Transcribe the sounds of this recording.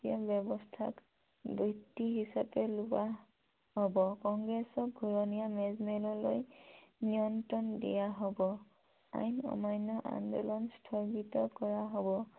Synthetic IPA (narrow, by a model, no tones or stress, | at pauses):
iabɔbɔstʰa̰k | bitːiɦisapɛluwa | ɦɔbɔkɔŋɡɹɛsɔk̚ɡʱuɹɔnijamɛzmɛlɔlo̰jnijɔntɔndḭjaɦɔbɔ | a̰jnɔ̰majnːɔʔa̰ndɔlɔnstʰɔɹɡitɔkɔɹaɦɔbɔ